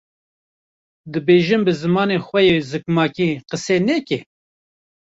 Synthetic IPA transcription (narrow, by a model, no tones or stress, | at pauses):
d̪ɨbeːʒɨmbɨzɨmɑːneːxwɛjeːzɨkmɑːkiːqəseːneːke